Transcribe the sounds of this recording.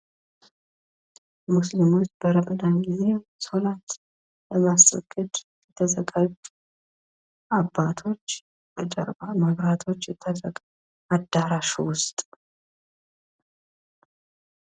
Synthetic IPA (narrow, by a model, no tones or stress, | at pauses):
muslimut͡ʃːbəɾəməd̪anɡize̞solat̪ | ləmasʼə̰ɡːɨd̪jɛt̪ʰəzəkʼət̪ʼ | ʔabːat̪ʰo̞t͡ʃː | bət͡ʃʼə̰ɾbamaβɾat̪ʰo̞t͡ʃːjɛt̪ʰːəzəkʼ | ad̪ːaɾaʃuwʊst̪ʼ